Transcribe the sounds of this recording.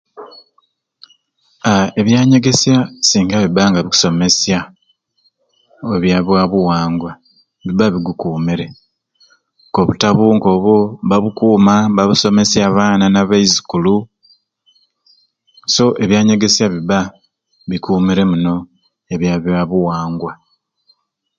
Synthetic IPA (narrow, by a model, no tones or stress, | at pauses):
ae̞βjaːɲe̞ɡe̞sjasiːŋɡaβibaŋɡaβiku̥so̞me̞sja | oβjaβwaβuwaːŋɡwa | βiβaβiɡukuːmiɾe̞ | ko̞βutaβuŋko̞ːβoβaβukuːmaβaβuso̞me̞sjaβaːnanaβaizikulu | so̞ʔe̞βjaːɲe̞ɡe̞sjaβiβa | βikuːmiɾe̞muno̞ | eβjaβjwaβuwaːŋɡwa